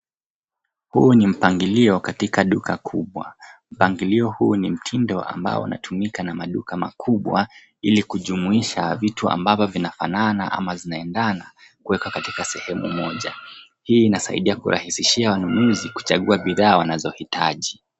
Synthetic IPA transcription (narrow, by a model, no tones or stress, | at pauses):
hunim̩paŋɡiliɔkatikaɗukakʰuɓwa̰m̩paŋɡiliɔhunim̩tʰindɔʔa̰mba̰ɔ̰ṵna̰tʰumikanamaɗukama̰kʰuɓwa | ilikuʄumuiʃavitua̰mbavɔvinafanana̰ʔa̰mazinaɛndana | kuwɛkwakatikasɛhɛmṵmɔʄa | hiːnasa̰ḭɗiakṵɾʔa̰hisiʃiawanunuziku̥t͡ʃaɠuaɓiðaːwanazɔhitʰaʄi